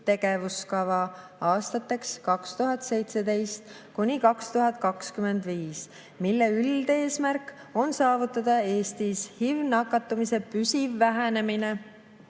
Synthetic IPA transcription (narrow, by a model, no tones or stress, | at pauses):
t̪e̞ɡ̥e̞vuskɑvɑ | ɑːst̪ɑt̪ːˑe̞kskɑkst̪uɦɑt̪ːˑse̞jt̪se̞d̪e̞jst̪ | kunʲikɑkst̪uɦɑt̪̚ˑkɑkskyme̞nd̪̥viːs | milːeyld̪e̞ːsmærk | o̞nsɑːvut̪ːˑɑd̪̥ɑe̞ːst̪ishivnɑkːˑɑt̪ːˑumise̞pysivːæɦæne̞mine̞